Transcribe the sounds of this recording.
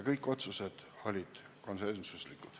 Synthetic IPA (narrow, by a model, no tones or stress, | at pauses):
kɤjkːˑo̞t̪suse̞d̪̥o̞lʲid̪̥ | ko̞nsensuslikːˑud̪̥